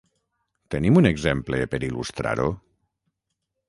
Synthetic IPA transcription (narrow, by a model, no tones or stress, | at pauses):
t̪enimuneɡzemplepeɾilṵst̪ɾa̰ɾo